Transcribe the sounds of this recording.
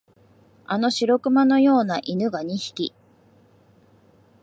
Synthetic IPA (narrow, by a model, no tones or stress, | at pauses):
ano̞ɕiɾo̞kɯ̟mano̞jo̞ːnaʔinɯ̟ɡaɲ̟içi̥kʲi